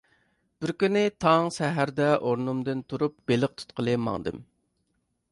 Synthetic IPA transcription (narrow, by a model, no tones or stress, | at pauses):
b̥ɪɾkʲynɪt̪ʰɑŋsɛɦæɾd̪ɛʔoɾnumd̪ɨnt̪ʰuɾup̚belɪq̚t̪ʰu̥t̪qʰəlˠɨmːɑ̰ŋd̪ɨ̰m